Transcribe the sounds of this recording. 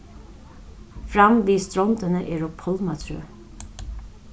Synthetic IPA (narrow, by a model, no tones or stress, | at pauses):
fɾamʋiːst̪ɾɔnt̪ənəʔɛɹɔpʰɔlmat̪ʰɾø̰ː